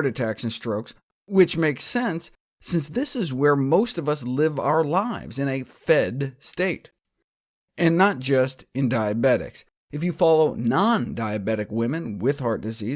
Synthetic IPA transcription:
ɾɨtʰæksɨ̃n̩stɹ̥oʊks | wɨt͡ʃmeɪksɛ̃nsː | ɪ̃nsðɪsɨzwə˞moʊstʌvʌs̬lɪva̰ʊə˞laɪvzɨ̃nɨfɛdsteɪɾ | ɨ̃nːət̚d̥ʒ̥ʌstɨ̃ndaɪɨbɛɾɨ̰ks | ɨfjɨfɑlˠoʊnɑ̃ndaɪɨbɛɾɨkwɪ̃mɨ̃nwɪð̥hɑɹt̚d̥ɨzi

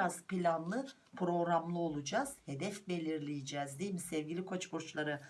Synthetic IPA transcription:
az̥pilʲanlˠɯ | pʰɾo̞ɣɾamlˠɯo̞lˠud͡ʒaz̥he̞d̪ɛfbe̞lʲiɾlʲijid͡ʒɛːzd̪eilʲmisɛvɟʲilʲikʰo̞t͡ʃboɾt͡ʃlˠaɾɯ

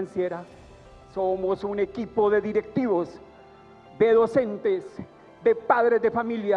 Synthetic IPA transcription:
ansjeɾa | somosunekipoðe̞ðiɾe̞k̚t̪iβos | ðe̞ðo̞se̞nt̪es | ðe̞paðɾezðe̞familja

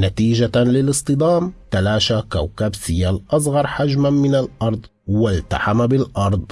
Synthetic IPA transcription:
nat̪iːd͡ʒalɪlɨsˤt̪ˤɨd̪ˤaːmt̪alaːʃakawkabsɪjalʔɑs̬ˤɣɑɾˤħad͡ʒmamɪnalʔɑɾˤd̪ˤ | walt̪a̰ħamabɪlʔɑɾˤd̪ˤ

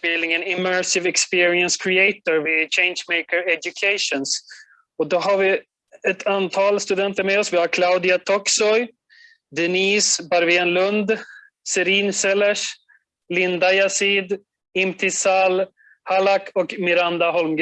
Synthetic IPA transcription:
bɪlnɪŋənɪmɛɹsɪvɛkspɪːɾɪənskʰɾɪɛt̪ɔɾvɪt͡ʃʰɛɪnʃmɛɪkəɾɛd͡ʒʊkʰeɪʂɔns | ɔd̪ɔɦaɾvɪ | ɛt̪ʰant̪ʰɑːlst̪ɵd̪ɛnt̪əɾmɛːɔsvɪhaɾkʰlaʊd̪ɪat̪ʰɔksɔj | d̪ɛniːsbaɾveːnlɵnd̪ | sɛɾiːnsɛlɛʂ | lɪnd̪ajasiːd̪ | ɪmt̪ʰɪsal | halakʰɔkmɪɾand̪aɦɔlmɡ

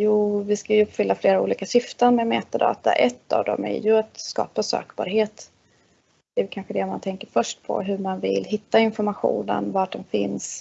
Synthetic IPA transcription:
juːvɪskajɵɵpːfʏlːafleːɾaṵːliːkaɕɪft̪ənmɛmɛːt̪ad̪ɑ̰ːt̪a̰ʔɛt̪ːa̰vd̪ɔ̰mɛ̰ɾjɵat̪skɑ̰ːpasø̰ːkbɑ̰ːɾɦeːt̪ | d̪̥ɛj̪kʰanɧəd̪ɛmant̪ʰɛŋkəɾfœʂʈ̚pʰɔ̰ɦɵɾmanvɪ̰lːɦɪt̪ːaɪnfɔɾmaɧṵːnə̰nvaʈdɔmfɪns

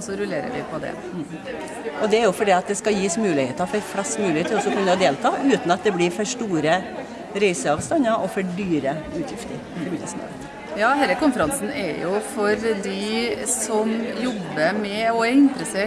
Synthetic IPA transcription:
sɔɾʉleːɾə̰ɾʋɪ̰pʰɔd̪ɛ̰ | ʔɔd̪ɛæɾjʊfɔɖiːɑt̪̚d̪ɛskɑjiːsmʉːlɪheːt̪ɑfɔɾflɑsmʉːɪeːt̪ɪlɔsːɔkʉnːəɑd̪eːlt̪ʰɑːʉːt̪n̩ɑt̪̚d̪ɛblɪɾfɔʂʈuːɾə | ɾæɪsəɑːʋst̪ɑnːɑɾʔɔfɔɖyːɾəʉːt̪ʰjɪft̪əɾɔɾmɪljə̰smɑ̰ːʋə̰t̪ | jɑːhɛlːəkʊnfəɾɑnsn̩ɛ̰ɾjʊfɔɾd̪ɪsɔmjɔbːəmɛɔæɾɪnt̪ɾəseː

